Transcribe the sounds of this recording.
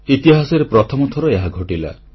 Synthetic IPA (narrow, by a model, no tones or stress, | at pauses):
it̪iɦasɔɾepɾɔt̪ʰɔmɔt̪ʰɔɾɔeɦaɡʱoʈila̰